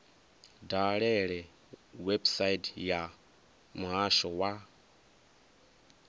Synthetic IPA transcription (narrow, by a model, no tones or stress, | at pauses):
daɺɛɺɛ | websaitja | muɦaʃɔwa